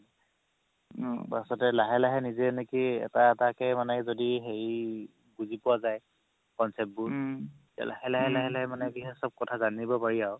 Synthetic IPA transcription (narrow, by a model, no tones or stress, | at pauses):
ba̰sɔtɛlaɦɛlaɦɛnizɛnekiɛ̰taɛtakɛmanɛzodiɦej | buzipʊwazaj | kɔnsɛp̚bʊ | a̰la̰hɛlaɦɛlaɦɛlaɦɛmanɛbiɦɛsɔb̚kɔtʰazanibɔpaɹiaʊ